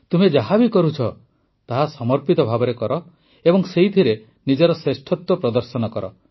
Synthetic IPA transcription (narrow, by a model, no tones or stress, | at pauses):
t̪umed͡ʒaɦabikɔɾut͡ʃʰɔ | t̪aɦasɔmɔɾpit̪ɔbʱabɔɾekɔɾɔ | ebɔŋseɦit̪ʰiɾe | nid͡ʒɔɾɔsesʈʰɔt̪wɔpɾɔd̪ɔɾsɔnɔkɔɾɔ